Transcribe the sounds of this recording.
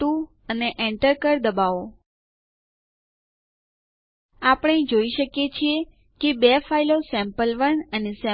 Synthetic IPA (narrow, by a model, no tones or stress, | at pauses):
u | əneʔɛ̃ɳʈəɾkəɾd̪əbaʋo | apəɳ̃ed͡ʒoiʃəkjet͡ʃʰie | kebefailosɛ̃mpəlʋənənesɛ̃